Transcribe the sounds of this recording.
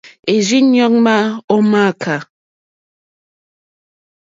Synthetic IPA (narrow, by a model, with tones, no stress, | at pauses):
e˨zi˦ɲɔ˦k̚ma˦ɔ˦ma˦˨kʰa˨